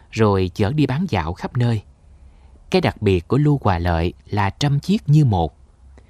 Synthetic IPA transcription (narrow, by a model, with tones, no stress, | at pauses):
zo˨˩jt͡ɕəː˧˩˦ɗi˧ɓaː˨˦nza̰ː˧˨wxa˦˥p̚nəː˧j | kaː˨˦jɗa˨˩k̚ɓi˨˩ət̚ku˧˩əlu˧kwaː˨˩lə̰ː˧˨jlaː˨˩t͡ɕə˧mt͡ɕi˦˥ət̚ɲɨ˧mo˨˩t̚